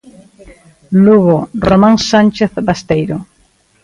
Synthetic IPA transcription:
luɣoromãŋsant͡ʃeθbast̪ejɾo

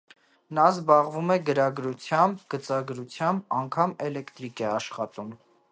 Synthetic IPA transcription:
nɑzbɑʁvumɛɡəɾɑɡɾut͡sʰjɑmbɡət͡sɑɡɾut͡sʰjɑmbɑŋkʰɑmɛlɛkt̪ɾikɛɑʃχɑt̪um

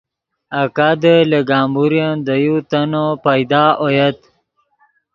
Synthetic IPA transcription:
akad̪ələɡɑːmbuɾjand̪əjut̪anopajd̪aːʔojat̪

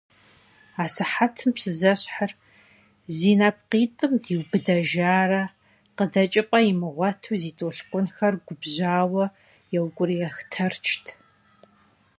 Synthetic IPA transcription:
aːsɨħatʰɨmpsɨzɐɕħar | ziːnap̚qiːtʼɨmdiːwbɨdɐʒaːrɐ | qədɐt͡ʃʼɪpʼɐjimɨʁʷɔtʰuːziːtʼoɬqʷʊnxɐrɡʷʊbʑaːwɐ | jɛwkʷʼʊrijɛxtʰɐrt͡ʃʰtʰ

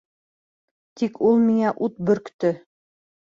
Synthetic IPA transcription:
t̪ikʰulˠmiŋæʔut̪̚bɵ̆ɾkt̪ɵ

